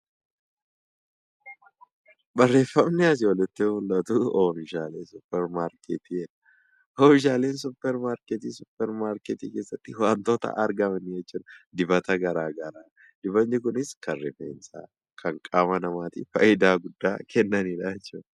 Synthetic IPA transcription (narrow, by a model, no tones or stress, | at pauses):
bɐrːe̞ːfːɐmnɛɐs̬ɔlɛt̪ːɪhulːɐt̪uofɪʃaːleːsʊpːɛɾmaːɾkʰet̪iɛᶑɐ | oːfɪʃ̬aːle̞ːnsʊpːɛɾmaːɾkɛt̪iːsʊpːɛɾmaːɾket̪ḭːkeːsːɐt̪ːɪwaːnt̪o̞ːt̪ɐ̰ʔɐɾɡɐmɐnɪjɛt͡ʃːuːᶑɐd̪ɪbɐt̪ɐɡɐɾaːɡɐɾaː | d̪̥ɪbɐnːɪkʊnɪskʰɐrːɪfḛːnsa̰ː | kʰɐŋkʼaːmɐnɐmaːt̪ɪfɐ̰jɪd̪aːɡʊd̪ːa̰ːkɛnːɐnidɐjɛt͡ʃːuːdɐ